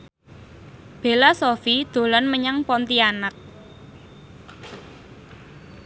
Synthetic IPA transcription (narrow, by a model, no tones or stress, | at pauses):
b̥e̤lasofid̪̥o̤lɔnməɲaŋpɔnt̪ianak̚